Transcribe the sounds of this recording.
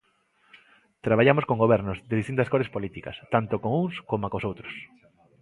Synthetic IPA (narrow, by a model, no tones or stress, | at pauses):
t̪ɾaβaʎamoskoŋɡoβɛɾnʊzðɪðist̪int̪ɐskoɾespolit̪ikɐ̰st̪ant̪okoŋuŋskomakosowt̪ɾo̥s